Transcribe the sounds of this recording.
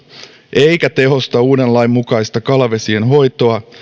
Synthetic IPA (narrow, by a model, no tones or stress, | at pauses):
ʔe̞jkæt̪e̞ɦo̞st̪ɑuːdenlɑjmmːukɑjst̪ɑkɑlɑʋesienɦo̞jt̪o̞ɑ